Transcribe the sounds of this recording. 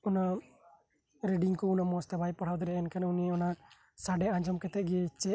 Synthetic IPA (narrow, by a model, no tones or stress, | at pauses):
ɔna | ɾɛɖiŋkɔunamɔst̪ɛbʱajpaɽ̤awd̪ɔɾɛɛnkanuniɔna | saɖɛãɲd͡ʒɔmkɛt̪ɛʔ̚ɡɛt͡ʃːɛ